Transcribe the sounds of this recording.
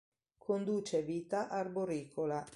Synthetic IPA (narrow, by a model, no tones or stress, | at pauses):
kʰond̪uːt͡ʃeviːt̪aʔarboɾiːkʰola